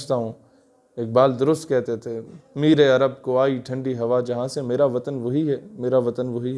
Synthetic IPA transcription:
t͡ʃt̪aɦũ | eːk̚baːld̪ʊɾʊst̪kɛɦt̪et̪ʰemiːɾeɐɾəb̚koaːiʈʰɐ̃ɳɖiɦɐʋad͡ʒɐɦãsemeːɾaʋɐt̪ənʋoɦiɦɛmeːɾaʋɐt̪ənʋoɦiɦ

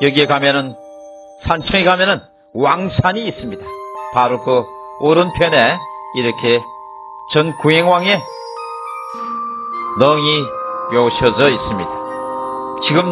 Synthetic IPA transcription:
jʌɡiekamjʌnɯn | sʰant͡ɕʰʌŋekamjʌnɯn | waŋsʰaɲiːs͈ɯmɲid̥ḁpaɾokɯoɾɯnpʰjʌne̞iɾʌkʰe | t͡ɕʌnkuɦeŋwaŋe̞ | nʌŋijouɕʰʌd͡ʑʌis͈ɯmɲid̥a | t͡ɕiɡɯm

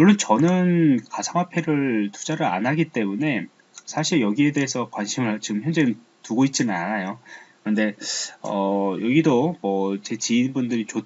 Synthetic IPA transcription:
moɭːont͡ɕʌnɯnkasʰaŋɦapʰe̞ɾɯɭtu̥d͡ʑaɾɯɾa̰nɦaɡit͈e̞mune̞ | sʰaɕʰiɾjʌɡie̞de̞ɦːsʰʌkwanɕʰimɯɭt͡ɕiɡɯmçjʌnd͡ʑenɯn | tuɡoit̚t͡ɕ͈inɯnanajokɯɾɯnde̞ʌ̰jʌɡidomʌt͡ɕe̞t͡ɕiinbundɯɾit͡ɕo

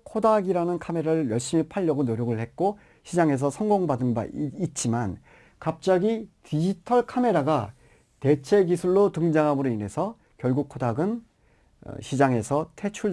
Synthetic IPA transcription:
kʰodaɡiɾanɯnkʰame̞ɾaɾɯɭjʌɭɕ͈imipʰaʎːʌɡonoɾjʌɡɯɭhe̞t̚k͈o | ɕʰid͡ʑaŋe̞s̬ʰʌsʰʌŋɡoŋbadɯnba̰it̚t͡ɕ͈iman | kap̚t͡ɕ͈aɡitid͡ʑitʰʌɭkʰame̞ɾaɡa | te̞t͡ɕʰe̞ɡisʰuɭːotɯŋd͡ʑaŋɦamɯɾoine̞sʰʌ | kjʌɭɡukʰodaɡɯn̰ | ɕʰid͡ʑaŋe̞sʰʌtʰe̞t͡ɕʰuɭ

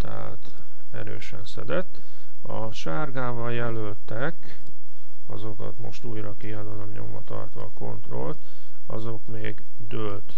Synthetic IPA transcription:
t̪ɛɦa̰t̪ | ɛɾø̰ːʃɛnsɛd̪ɛt̪ː | ɒ | ʃarɡaːvɒljɛlølt̪ɛk | ɒzo̞kɒ̰t̪mo̞ʃt̪uːjrɒkijɛlølømɲo̞̰mvɒt̪ɒrt̪ʋɒko̞nt̪ro̞lt̪ | ɒzo̞kmeːɡ | d̪ølt̪

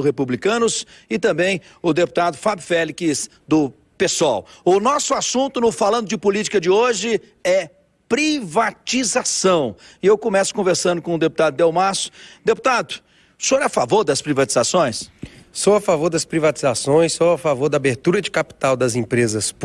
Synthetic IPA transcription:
hepublikɐ̃nʊs | ɪt̪ɐ̃mbẽj̃ | ʊd̪epu̥t̪ad̪ʊfabʊfɛlikɪs | d̪ʊ | pesawʊnɔsʊasũnt̪ʊnʊfalɐ̃nd̪ʊd͡ʒɪpʊlit͡ʃi̥kɐd͡ʒɪoʒɪ | ɛ | pɾivat͡ʃizasɐ̃w̃ɪewkõmɛsʊ̥kõveɾsɐ̃nd̪ʊkõʊd̪eput̪ad̪ʊd̪ewmaɾsʊ̥d̪epu̥t̪ad̪ʊ | soafavoɾd̪ɐspɾivat͡ʃizasõj̃ssowafavoɾd̪ɐspɾivat͡ʃizasõj̃soafavoɾd̪ɐaːbeɾt̪uɾɐd͡ʒɪkapi̥t̪awd̪ɐzẽpɾezɐs

